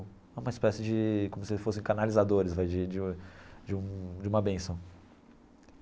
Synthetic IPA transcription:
ɛũmɐispɛsɪd͡ʒɪkõmʊsɪfosẽj̃kanalizad̪oɾɪzvajd͡ʒɪd͡ʒɪd͡ʒɪũd͡ʒɪũmɐbẽsɐ̃w̃

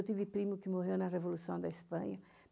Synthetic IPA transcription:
wt̪ivɪpɾĩmʊkɪmoɦewnɐrevolusɐ̃w̃d̪ɐispɐ̃ɲɐ

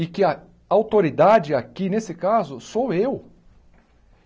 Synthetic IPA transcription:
ɪkɪɐ | awt̪oɾid̪ad͡ʒɪakinesɪkazʊsowew

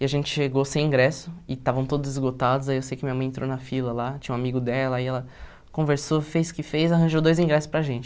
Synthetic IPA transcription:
ɪaʒẽnt͡ʃɪ̥ʃeɡosẽj̃ĩɡɾɛsʊɪt̪avɐ̃w̃t̪od̪ʊzɪzɡot̪ad̪ʊzaiewsejkɪmĩɲɐmɐ̃j̃ẽnt̪ɾownɐfilɐlat͡ʃĩɲ̃ũamiɡʊd̪ɛlɐaiɛlɐ | kõveɾsofejzʊ̥kɪfejzaɦɐ̃ʒowd̪ojzĩŋɡɾɛsʊ̥spɾɐʒẽnt͡ʃɪ

